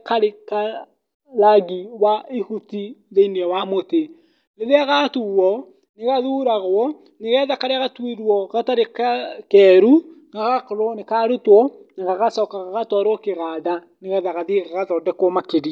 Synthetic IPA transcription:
kaɾeka | laɡiwaihutiðeiniɛwamote | leɾeaɣatuwɔ | neɣaðuɾaɣwɔ | neɣɛðakaɾeaɣatwiɾwɔɣataɾekakɛɾu | ɡaɣakoɾonekaɾotwɔneɣaɣasɔkaɣaɣatwaɾokeɣaða | neɣɛðaɣaðiɣaɣaðɔːdɛkɔmakeɾi

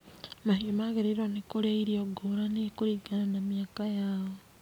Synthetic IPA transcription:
maɦiomaɣeɾeɾwanekoɾeaiɾioɡoɾanekoɾiɡananamjaːkajaːɔ

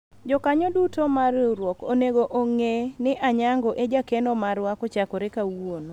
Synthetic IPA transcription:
d͡ʒɔkaɲɔdutomarɾwɔko̰neɡoʔoŋenɪʔaɲaŋɡɔʔed͡ʒakɛnɔmaɾwakɔt͡ʃakoɾekawon

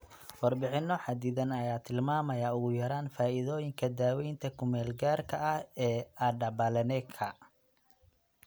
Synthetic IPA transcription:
wɑrbɪħɪnɔħɑd̪iðɐnɐjaːt̪ʰɪlmaːmɐjaːʊɣʊjɐɾaːnfaːʔɪðɔːjɪŋkʰɐd̪aːwɛjnt̪ʰɐkʰʊmɛːlɡaːrkʰɐʔɐhɛːʔɐɖɐbɐlɛnɛkʰɐ

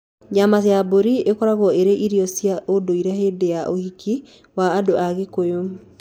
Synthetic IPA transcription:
ɲamaseaboɾiekɔɾaɣɔeɾeʔiɾiɔsiaʔodoiɾɛhedejaʔohiki | waːdoʔaɣekojo

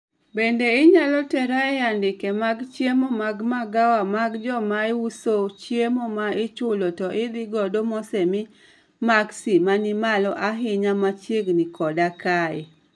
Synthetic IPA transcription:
bendeɪɲalɔtɛɾaɛjandɪkemaɡt͡ʃjemomaɡmaɡawamaɡd͡ʒɔmaɪwusot͡ʃjemomaɪt͡ʃʊlotɔʔɪd̪ɪɡɔdomɔsɛmɪ | maksimanɪmalɔʔaɦɪɲamat͡ʃeɡnikʰɔdakae

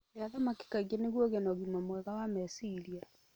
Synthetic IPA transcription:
leaðɔmaki̥kaɣjaneɣwɔɣɛnɔɣimɔmwɛɣawamɛsiɾija

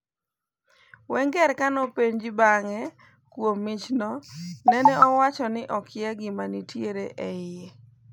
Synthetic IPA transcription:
wɛŋɡɛɾkanɔpeɲd͡ʒɪbaŋɛ | kwomːɪt͡ʃnɔnɛnɛɔwat͡ʃɔnɪʔɔkɪjaɡɪmanitjeɾeʔɛɪe

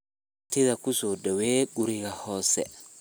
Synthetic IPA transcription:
tiðakusodɛwɛɡuɾiɡahɔːsɛ̰

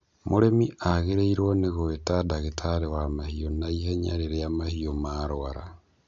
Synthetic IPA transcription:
muɾemiʔaɣeɾeiɾwoneɣoetadaɣetʰaɾewamahionaiheɲa̰ɾeɾejamahiomaːɾwaɾa̰

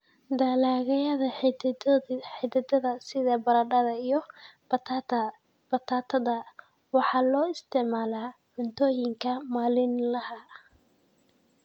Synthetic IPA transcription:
d̪aːlaːɣɐjɐðɐ | ħɪd̪ɐd̪ɐðɐsɪðɐbɐɾɐɖɐðɐijɞ | bɐt̪ʰat̪ʰɐ | wɑħɑːlɔːɪst̪ʰɪʕmaːlaːħʊd̪ɔːjɪŋkʰɐmaːlɪnlɐhɐ

